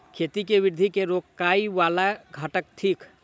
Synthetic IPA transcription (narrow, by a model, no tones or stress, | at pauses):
kʰeːt̪ikeʋɪɾd̪ʱikeɾoːkkːaːiʋaːlaɡʱəʈək̚t̪ʰiːk